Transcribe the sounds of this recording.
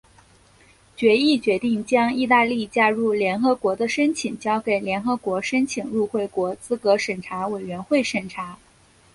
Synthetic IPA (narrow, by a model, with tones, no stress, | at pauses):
t͡ɕɥɛ˧˥i˥˩t͡ɕɥɛ˧˥t̪i˥˩ŋt͡ɕjɑ˥ŋi˥˧t̪a˥˧li˥˩t͡ɕja˥ɻu˥˩ljɛ˧˥nxɤ˧˥kwɔ˧˥d̪ə˧ʂə˥nt͡ɕʰi˨˩ŋt͡ɕjɑ˥ʊke˨˩ɪljɛ˧˥nxɤ˧˥kwɔ˧˥ʂə˥nt͡ɕʰi˨˩ŋɻu˥˧xwe˥˩ɪkwɔ˧˥t͡sɹ̩˥kɤ˧˥ʂə˨˩nʈ͡ʂʰa˧˥we˨˩ɪɥɛ˧˥nxwe˥˩ɪʂə˨˩nʈ͡ʂʰa˧˥